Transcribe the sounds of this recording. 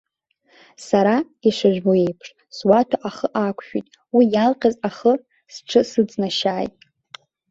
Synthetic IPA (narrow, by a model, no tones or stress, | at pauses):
saɾa | iʂʷaʒʷᶣboe̞jpʰʂ | swatʰaʔaχəʔakʷʰʃᶣḭtʼ | wijalqʲʼazaχə | sʈ͡ʂʰɨsɨd͡znaʃaːjtʼ